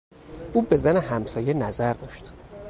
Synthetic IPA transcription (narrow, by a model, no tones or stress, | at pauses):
ʔuːbe̞zænehæmsɒːjenæzæɾd̪ɒːʃt̪